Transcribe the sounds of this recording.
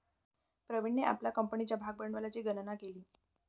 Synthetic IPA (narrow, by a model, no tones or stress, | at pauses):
pɾəʋiɳːeʔa̰plakəmpɳit͡ɕjabʱaɡ̚bəɳʋəlat͡ɕiːɡənnakeliː